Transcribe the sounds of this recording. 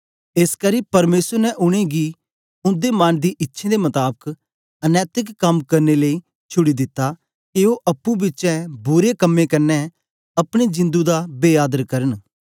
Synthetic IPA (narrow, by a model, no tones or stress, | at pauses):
eːskɐɾipɐɾmeːsəɾnɛʔʊɽ̃eɡi | ʊ̃nd̪emaːnd̪iʔɪtːʃʰẽd̪emɐt̪aːbək | ɐnɛːt̪ɪkkːɐmkɐɾneləi | t͡ʃʰʊɽid̪ɪt̪ːa | kɪoʔɐpːũbɪt͡ʃɛ̃bʊɾekɐmːẽkɐɾnɛ̃ | ɐpɽ̃ed͡ʒɪ̃nd̪ud̪abeːaːd̪əɾkɐɾən